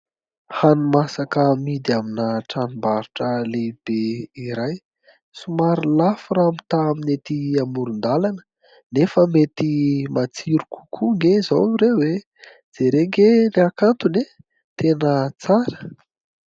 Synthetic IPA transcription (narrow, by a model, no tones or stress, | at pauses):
hanumasakəmid̪iaminəʈ͡ʂanimbaɾuʈ͡ʂəleb̥eiɾaj | sumaɾilafuramit̪aːminet̪iamuɾund̪alanə̥ | nefəmet̪imat͡siɾuku̥kʰuŋɡezawnuɾewe | d͡z̥eɾeŋɡeniakant̪une | t̪enət͡saɾə̥